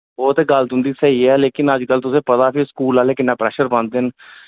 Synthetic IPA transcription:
bɔːt̪eɡələt̪ɦʊ̃nd̪iːsəɦiːɛːleːkɪnəd͡ʒkəlt̪ʊsẽːpət̪aːpʰiskuːlaːleːkɪnːãːpɾɛːʃəɾbə̃nd̪ɪn

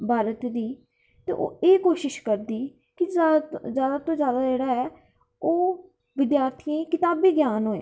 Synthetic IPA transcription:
bʱaːɾət̪d̪iː | t̪ḛːʔo̰ːeːkoːʃɪʃkəɾd̪iː | kɪzjaːd̪aːt̪õːzjaːd̪aːd͡ʒeːɽaːɛː | oː | ʋɪd̪jaːɾt̪ʰiãkɪt̪aːbiːɡjaːnɦoːḛː

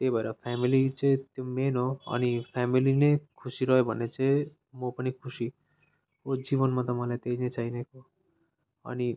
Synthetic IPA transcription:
t̪ebʱʌeɾʌpʰamilit͡sẽt̪jomenoʌ̰nipʰamilinekʰusiɾʌjobʱʌnːet͡se | mopʌnikʰusi | kod͡zibʌnmat̪ʌmãlajt̪einet͡saineko | ʌ̰ni

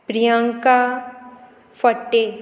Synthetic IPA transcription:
pɾijãŋka | fɐʈːe

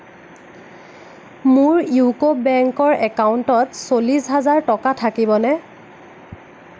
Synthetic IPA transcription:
mʊɹjukobːɛŋkɔɹɛkauntɔtsolisɦazaɹtɔkatʰakibɔnɛ

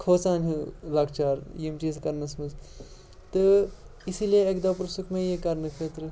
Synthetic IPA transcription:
kʰoːt͡saːnɦɨlɐɡt͡ʃaːɾjimʈiskɐɾnɐsmɐz | t̪ɨ | isilieekd̪ɐpɾɐsukʰmẽjekɐɾnɨkʰəːt̪ɾɨ

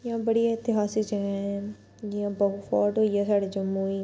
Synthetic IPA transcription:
jãːbəɽiaːɪt̪ɪɦaːsɪkd͡ʒəɛ̃ɛ̃ | ãːbəɦʊfʰɔ̰ːɾʈɦoːiɛːsaːɽeːd͡ʒəmːuːiː

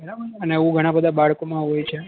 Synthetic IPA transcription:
məɾabəəneũɡʱəɽ̃ãbəd̪ʱabaɭkomãɦojt͡ʃʰe

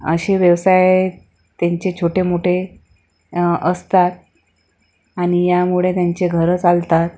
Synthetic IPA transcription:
ə̰ɕeʋjəʋsaj | t̪ãɲt͡ɕet͡ɕʰoʈemoʈe | əst̪at̪̚ | aɽ̃ijamuɭet̪jaɲt͡ɕeɡʱəɾət͡salt̪at̪̚

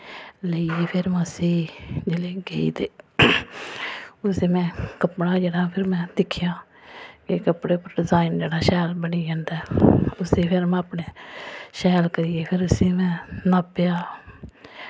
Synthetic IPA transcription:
ləieːpʰɪɾməsiːd͡ʒeːleːɡeḭːt̪eː | ʊseːmɛ̃ːkəpɳaːd͡ʒeːɽaːpʰɪɾmɛ̃ːd̪ɪkʰːɪjãː | kɪkəpɽeːpəɾɖɪzaːind͡ʒeːɽaːʃɛːlbəniːd͡ʒãːnd̪aːʊseːpʰɪɾmɛ̃ːəpɳeːʃɛːlkəɾijeːpʰɪɾʊsiːmɛ̃ːnaːpɪjaː

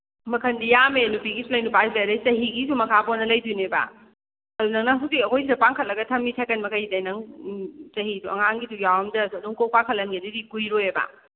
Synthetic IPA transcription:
mɐkʰɐndijamenupiɡisulɐjnupabeɾɐjt͡ʃɐɦiɡisumɐkʰaponːɐlɐjduneba̰ | ɐdunɐŋnaɦuzikɐkʰojs̬idɐpaŋkʰɐt̚lɐɡɐtʰɐmitʰakɐnmɐkʰajidɐjnɐŋ | t͡ʃɐɦiduɐŋaŋɡidujawɐmdɐsɐduŋkow̚paŋkʰɐtlːɐnɡedidikujɾojeba̰

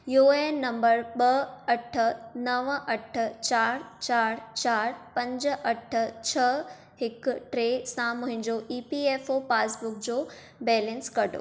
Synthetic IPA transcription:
juːeːnɐ̃mbəɾɓɐɐʈʰə̆nɐʋʔɐʈ̆ʰt͡ɕaːɾt͡ɕaːɾt͡ɕaːɾpɐ̃ɲd͡ʑʔɐʈʰə̆t͡ɕʰɐ | ɦɪkʊʈɾeːsãmʊ̃ɦɪ̃nd͡ʑoʔiːpieːfopaːsbʊk̚d͡ʑoː | bɛːlɛ̃nskɐɖʱo̰ː

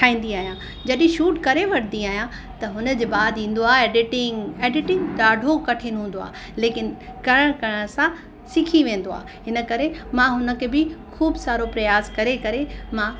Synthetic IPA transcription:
kʰaːĩːn̆d̪iaːɦijã | d͡ʑɐɗĩʃuːʈkɐɾeʋɐɽ̤nd̪iaːɦijã | t̪ɐɦʊnəd͡ʑeːbaːd̪ʱĩːn̆d̪oaːɦeːɖɪʈɪ̃ŋɡeːɖɪʈɪ̃ŋɡɖaːɖʱokɐʈʰĩnɦũːn̆d̪oa̰ː | leːkɪnkɐɾəɽ̃kɐɾəɽ̃əsã | sɪkʰiʋẽːn̆d̪oa̰ː | ɦɪnə̆kɐɾemãɦʊnə̆kʰebɪkʰuːbsaːɾopɾɐjaːskɐɾekɐɾemã

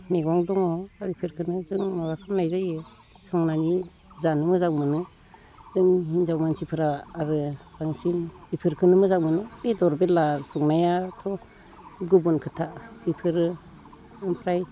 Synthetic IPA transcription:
miɡɔŋdɔŋɔaɾipʰɯɾkʰɯnɯzɯŋmabakʰamnajzajɯ | sɔŋnani | zanɯmɯzaŋmɯnɯ | zɯŋinzawmansipʰɯɾaːɾɯb̥aŋsinbipʰɯɾkʰɯnɯmɯzaŋmɯnɯɾidɔɾbelasɔŋnajatʰɔ | ɡubunkʰɯtʰabipʰɯɾɯ | ɯmpʰɾaj

